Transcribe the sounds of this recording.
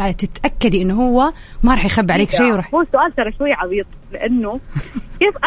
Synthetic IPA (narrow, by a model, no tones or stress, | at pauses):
at̪ɪt̪ʔakːad̪iʔɪnːɦʊwːamaɾˤɑːħjxabːʕaleːkʃiːwɾˤɑhuːsʊʔaːlt̪ɑɾˤɑʃwajːaʕɑðˤiːt̪ˤlɪʔanːʊkeːfʔ